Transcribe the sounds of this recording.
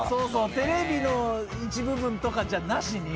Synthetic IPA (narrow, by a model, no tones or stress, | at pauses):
so̞ːso̞ːt̪e̞ɾe̞bʲino̞ | it͡ɕibɯ̟bɯ̟̃nt̪o̞kad͡ʑanaɕiɲʲi